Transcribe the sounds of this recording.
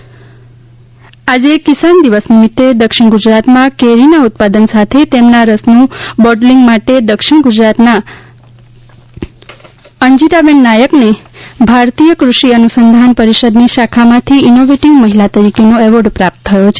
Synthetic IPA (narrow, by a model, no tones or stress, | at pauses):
ad͡ʒekisand̪iʋəsnimit̪ːed̪əkʃɪɽ̃ɡud͡ʒɾat̪mãkeɾinaut̪̚pad̪ənsat̪ʰet̪emnaɾəsnũbɔʈliŋɡmaʈed̪əkʃɪɽ̃ɡud͡ʒɾat̪na | əɲd͡ʒit̪abeɳːajəknebʱaɾt̪ijəkɾuʃiənusənd̪ʱanpəɾiʃəd̪niʃakʰamãt̪ʰiːnoʋeʈiŋɡməɦilat̪əɾikenoɛʋəɾɖpɾap̚t̪ʰːəjot͡ʃʰe̥